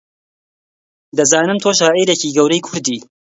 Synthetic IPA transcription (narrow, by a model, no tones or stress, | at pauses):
d̪ɐzaːnɨmt̪ʰoːʃ̬aːʔiːɾeciːɡɐwɾɐjkʰʊɾd̪iː